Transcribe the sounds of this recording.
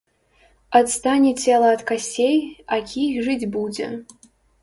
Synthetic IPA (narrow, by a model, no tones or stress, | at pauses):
ɐt̪st̪anʲɛt͡sʲɛlˠɐɐt̪kasʲejakʲʰixʐɨd͡zʲbud͡zʲɛ̰